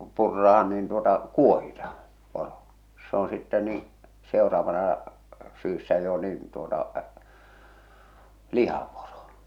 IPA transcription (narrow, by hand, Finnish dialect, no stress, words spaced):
purːɑhɑn niːn tuotɑ kuohitɑh̞ɑ̥ poro se on sitːɛ niː seorɑːʋɑnɑ syːsːæ jo niːn tuotɑ lihɑporo